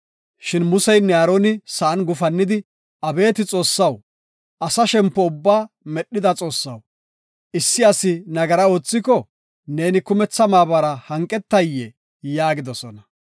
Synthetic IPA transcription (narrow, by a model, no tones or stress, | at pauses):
ʃɪnmʊsɛjnɛaːɾoːnɪsɐɐnɡʊfɐnːɪd̪ɪ | ʔɐbe̞ːt̪ɪt͡sʼo̞ːsːɐw | ʔɐsɐʃɛmpːɔʊbːaː | mɛɗːɪd̪ɐt͡sʼo̞ːsːɐw | ʔɪsːɪɐsɪnɐɡɐɾɐo̞ːt͡sːɪkɔ | ne̞ːnɪkʊmɛt͡sːɐmaːbɐɾɐhɐŋkʼːɛt̪ːɐjːɛ | jaːɡɪd̪ɔsɔnɐ